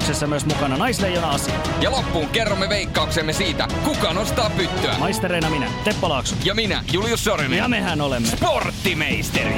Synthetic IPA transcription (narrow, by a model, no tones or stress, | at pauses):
ksesːæmyøsmukɑnɑnɑjslejːonɑɑsɑ | jɑlopːuːŋkerːomːeʋeikːɑuksemːesiːt̪æ̰kukɑːnost̪ɑːppyt̪ːøæ̰mɑjst̪eɾeinɑminæ̰t̪epːɑlɑːksujɑminæ̰juljusːorenjɑmehænolemːsport̪ːimeist̪erḭ